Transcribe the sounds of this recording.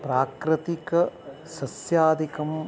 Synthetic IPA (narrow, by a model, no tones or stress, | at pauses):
pɾaːkɾɐt̪ikɐ | sɐsjaːd̪ʱikɐm